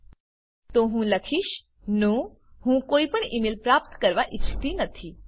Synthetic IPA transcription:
t̪oɦũːləkʰiːɕ | nũ | hũːkoipəɳimilpɾap̚t̪kəɾʋaʔitʰi̥t̪iːnət̪ʰi

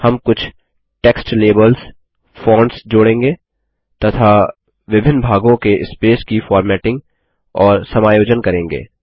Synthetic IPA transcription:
hɐmkʊt͡ʃʰ | ʈeːksʈleːbəlz | fõːɳɖsd͡ʒoːɽẽːŋɡeː | t̪ɐt̪ʰa | ʋɪbʱɪnːbʱaːɡõkeʔɪspeːskifɔːɾmɛːʈɪ̃ŋɡ | ɔːɾsɐmaːjoːd͡ʒənkɐɾẽːŋɡḛː

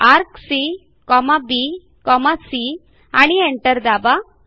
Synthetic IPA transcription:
aɾksi | kɔmabi | kɔmasi | aɽ̃ieɳʈəɾd̪aba

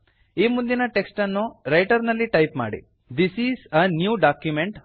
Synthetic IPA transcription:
iːmund̪inɐʈeksʈɐnːuɾɐjʈɐɾnɐlːiʈɐjpma̰ːɽḭ | d̪isiːzɐnjuːɖaːkjumeɳʈ

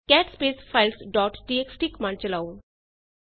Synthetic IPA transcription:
kɛʈspesfajlsɖɔʈʈieksʈikmãnt͡ɕəlaʋun

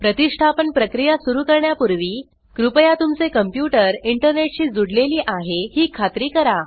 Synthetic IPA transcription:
pɾət̪iʂʈʰapənpɾəkɾijasuɾuːkəɾɳjapuɾʋiː | kɾupəjat̪umt͡sekəmpjuʈəɾiɳʈəɾneʈ̚ɕiːd͡zuɽleliːʔaɦehiːkʰat̪ɾiːkəɾa

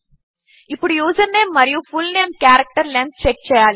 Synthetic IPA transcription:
ipːuɽujuːsɐnːeːmːɐɾijufulneːmkjaːɾɐk̚ʈɐɾlent̪̚t͡ʃek̚t͡ʃɛːjaːli

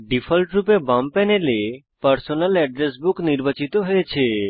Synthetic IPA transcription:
ɖifʰəlʈɾupebampɛnele | pəɾsonəlɛɖɾesbukniɾʋat͡ʃit̪oɦəjet͡ʃʰe

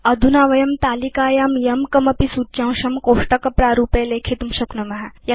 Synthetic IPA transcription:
ɐd̪ʱunaːʋɐjɐmt̪aːlikaːjaːmjɐmkɐmɐpisutt͡ɕãwɕɐmkoːʂʈɐkɐpɾaːɾuːpeːleːkʰit̪umɕɐknɐmɐɦaj

